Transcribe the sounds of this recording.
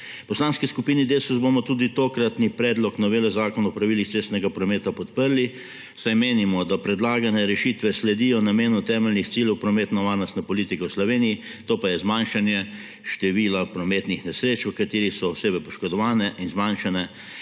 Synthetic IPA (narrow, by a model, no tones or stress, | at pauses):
pɔslaːnskɛskupiːnid̪eːsuzbomɔt̪uːd̪it̪oːkɾat̪nipɾɛːd̪lɔknaʋeːlɛzaːkɔnɔpɾaʋiːlixt̪seːst̪nɛɡapɾɔmeːt̪apɔt̪pəɾli | sajmeːnimɔd̪apɾɛd̪laːɡanɛɾɛʃit̪ʋɛslɛd̪iːjɔnameːnut̪ɛːmɛlnixt̪siːljɛwpɾɔmeːt̪nɔʋaːɾnɔst̪nɛpɔliːt̪ikɛwslɔʋeːniji | t̪oːpajɛzmanʃanjɛ | ʃt̪ɛʋiːlapɾɔmeːt̪nixnɛsɾeːt͡ʃʋəkat̪eːɾixsɔɔseːbɛpɔʃkɔd̪ɔʋaːnɛʔinzmanʃanɛ